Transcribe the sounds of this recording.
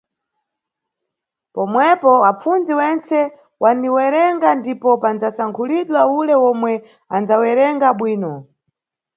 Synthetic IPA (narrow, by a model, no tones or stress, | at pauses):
pɔmwɛpɔap͡fund͡ziwɛnt͡sɛ | wʔaniwɛɾɛŋɡandipɔpand͡zasaŋkʰuliɗwaulɛwɔmwɛ | and͡zawɛɾɛŋɡaɓwiːnɔ